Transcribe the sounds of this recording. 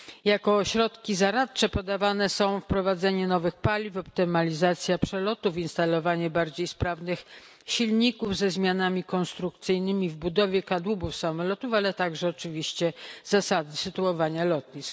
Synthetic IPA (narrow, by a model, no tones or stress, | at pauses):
jakɔɕɾɔt̪kʲizaɾat̪t͡ʂɛpɔd̪avanɛsɔ̃w̃fpɾɔvad̪zɛɲɛnɔvɘxpalʲivɔp̚t̪ɪmalʲizat̪sʲjapʂɛlɔt̪ufinst̪alɔvaɲɛbaɾd͡ʑejspɾavnɘx | ɕilɲikuvzɛzmʲjanamʲikɔnst̪ɾukt̪sɘjnɘmʲivbud̪ɔvʲjɛkad̪wubufsamɔlɔt̪ufalɛt̪aɡʐɛɔt͡ʂɘvʲiɕt͡ɕɛz̥asad̪ɘsɘt̪uɔvaɲalɔt̪ɲis